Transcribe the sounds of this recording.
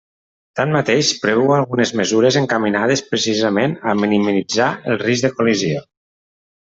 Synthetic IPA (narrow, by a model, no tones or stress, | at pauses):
t̪anmat̪eʃpɾeðwalˠɣunəzməzuɾəzəŋkaminað̞əspɾəsizəmenaminimiid͡zaəlˠrizðəkulizio